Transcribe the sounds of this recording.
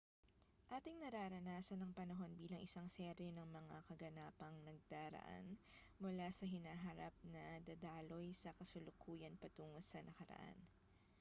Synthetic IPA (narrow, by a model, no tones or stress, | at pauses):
ʔaːt̪ɪŋnɐɾaːɾɐnaːsɐnɐŋpɐnɐɦo̞nbiːlɐŋʔɪsaŋsɛɾɛnɐŋmɐŋa̰kɐɡɐnaːpɐŋnɐɡ̚d̪aːɾɐ̰ʔa̰nmʊlaːsɐɦɪnaːɦɐɾap̚nɐd̪ɐd̪aːlo̞jsɐkɐsʊlʊkʰuːjɐnpɐt̪uːŋosɐnɐkɐɾɐ̰ʔa̰n